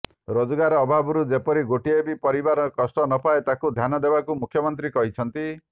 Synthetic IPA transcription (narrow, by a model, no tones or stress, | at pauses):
ɾod͡ʒɔɡaɾɔːbʱabɔɾud͡ʒepɔɾiɡoʈiebipɔɾibaɾkɔsʈɔnɔpʰaet̪akud̪ʱjanɔd̪ebakumukʰːjɔmɔnt̪ɾikɔɦit͡ʃʰɔnt̪i